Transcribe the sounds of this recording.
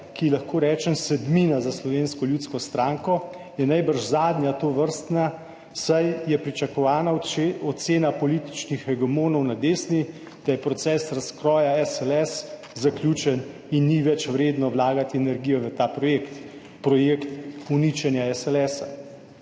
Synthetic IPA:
kilaxkoːɾɛːt͡ʃɛmsɛd̪minazaslɔʋeːnskɔljuːt̪skɔst̪ɾaːŋkɔ | jɛnajbəɾʃzaːd̪njat̪oːʋəɾst̪na | sajjɛpɾit͡ʃakɔʋaːnaɔt̪seːnapɔlit̪i̥t͡ʃnixɛɡɛmoːnɔwnad̪eːsni | d̪̥ajɛpɾɔt̪sɛːsɾaskɾɔːjaɛsɛlɛs | zaklʲjuːt͡ʃɛn | inːiʋɛt͡ʃʋɾeːd̪nɔwlaːɡat̪iɛnɛɾɡijɔʋət̪aːpɾɔjeːkt̪ | pɾɔjeːkt̪unit͡ʃɛnjaɛsɛlɛsa

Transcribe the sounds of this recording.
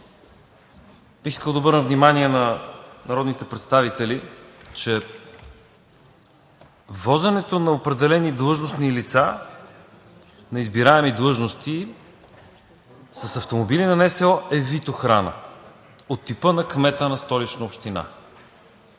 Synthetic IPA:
b̥ixiskəlˠd̪ɐobɤɾnəvnimaniɛnɐnɐɾɔd̪nit̪ɛpɾɛt̪st̪avit̪ɛlit͡ʃɛ | vɔzɛnɛt̪onɐopɾɛd̪ɛlɛnid̪lˠɤʒnosnilit̪sa | nɐizbiɾaɛmid̪lˠɤʒnost̪i | səsɐft̪omobilinɐnɛsɛɔʔɛvit̪oxɾanə̰ | ot̪ːipənɐkmɛt̪ənɐst̪ɔlit͡ʃnəopʃt̪ina̰

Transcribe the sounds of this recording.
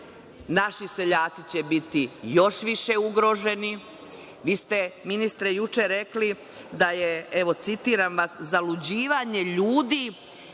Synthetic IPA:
naʃise̞ʎaːt̪sit͡ɕe̞bit̪ijo̞ʃʋiʃe̞uɡɾo̞ʒe̞ni | ʋiːst̪e̞minist̪ɾejut͡ʃeɾe̞kli | d̪ajeeʋo̞t̪sit̪iːɾamʋaszalud͡ʑiːʋaɲe̞ʎuːd̪iː

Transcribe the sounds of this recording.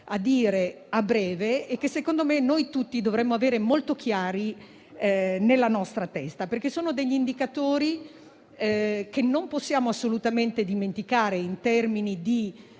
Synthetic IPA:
ad̪iːɾe | abɾɛːveekːesːekond̪omenojt̪ut̪ːid̪ovɾɛmːoaveːɾemolt̪ok̟jaːɾi | nelːanɔst̪ɾat̪ɛst̪aperk̟esːoːnod̪eʎːind̪ikat̪oːɾi | k̟enːomposːjaːmoasːolut̪ament̪ed̪iment̪ikaːɾeint̪ɛrminid̪i

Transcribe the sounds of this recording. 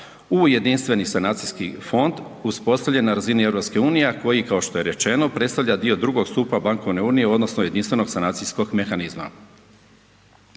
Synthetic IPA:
uje̞d̪inst̪ʋe̞nisanaːt̪sijskifo̞nd̪ | uspo̞st̪aʋʎenaɾazinie̞ʋɾo̞pske̞uːnijeko̞jikaoʃt̪oje̞ɾe̞t͡ʃe̞no̞pɾet̪st̪aʋʎad̪io̞d̪ɾuɡo̞ɡst̪upabaŋko̞ʋne̞uːnijeo̞d̪no̞snoje̞d̪inst̪ʋe̞no̞ɡsanat̪sijsko̞ɡme̞xanizma̰

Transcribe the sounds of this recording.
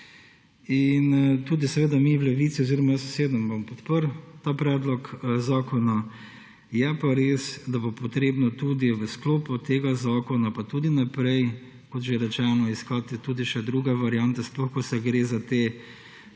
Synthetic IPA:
int̪uːd̪isɛʋeːd̪amiwlɛʋiːt̪sioziɾɔmajəsseːd̪əmbompɔt̪pəɾt̪apɾɛːd̪lɔkzaːkɔna | jɛpaɾeːsd̪abopɔt̪ɾeːbnɔt̪uːd̪iʋəskloːput̪eːɡazaːkɔnapat̪uːd̪inapɾɛj | kɔt̪ʒeɾɛt͡ʃɛːnɔiskat̪t̪ud̪iʃɛd̪ɾuːɡɛʋaɾijant̪ɛsplɔxkɔsɛɡɾeːzat̪eː

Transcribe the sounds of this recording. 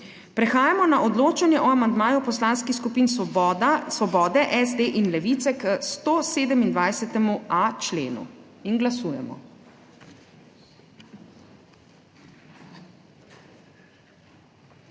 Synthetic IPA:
pɾɛxaːjamɔnaʔɔd̪loːt͡ʃanjɛʔɔamand̪maːjupɔslanskixskupiːn | sʋɔbɔːd̪ɛʔɛzd̪eːʔinlɛʋit̪sɛkst̪oːseːd̪ɛmind̪ʋajsɛt̪ɛmuat͡ʃlḛːnṵinɡlasuːjɛ̰mɔ̰

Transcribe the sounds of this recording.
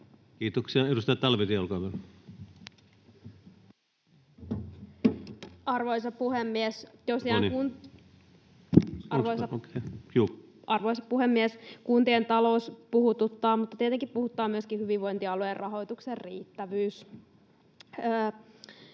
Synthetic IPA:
kiːt̪oksiɑedust̪ɑjɑt̪ælʋet̪iolkɑʋæl | ɑrʋojsɑpuhemːiest̪osiɑkun | ɑʋojsɑokejuːɑrʋoisɑppuhemːieskunt̪ient̪ɑlo̞uspuhut̪ut̪ːɑːmut̪ːɑt̪iet̪eŋkippuhut̪ːɑːmyøskihyʋiʋʋo̞jnt̪iɑluerrʔɑɦo̞jt̪ukserrḭːt̪ːæʋyːs

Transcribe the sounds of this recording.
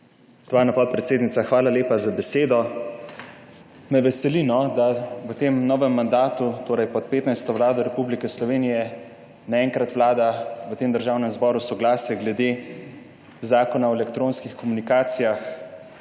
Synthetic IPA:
t̪ʋaːɾnapɔt̪̚pɾɛt̪seːd̪nit̪saxʋaːlaleːpazabɛseːd̪ɔ | mɛʋɛsɛlinɔd̪aʋət̪eːmnɔːʋɛmːand̪aːt̪ut̪oːɾɛjpɔt̪̚peːt̪najst̪ɔʋlaːd̪ɔɾɛpublikɛslɔʋeːnijɛ | naɛːŋkɾat̪ʋlaːd̪aʋət̪eːmd̪əɾʒaːwnɛmzbɔːɾusɔɡlaːsjɛɡlɛd̪e | zaːkɔnaɔɛlɛkt̪ɾoːnskixkɔmunikaːt̪sijax

